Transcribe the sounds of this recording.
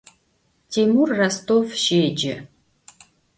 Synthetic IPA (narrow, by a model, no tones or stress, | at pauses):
t̪ʰimurːast̪ovʃeːd͡ʒɪ